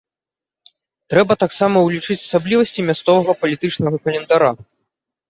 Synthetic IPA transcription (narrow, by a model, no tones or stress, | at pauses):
t̪ɾɛbɐt̪aksamɐwlʲit͡ʂɨt͡sʲɐ̥sablʲivɐsʲt͡sʲimʲast̪sɔvɐɣɐpɐlʲit̪ɨt͡ʂnɐɣɐkɐlʲɛnd̪aɾa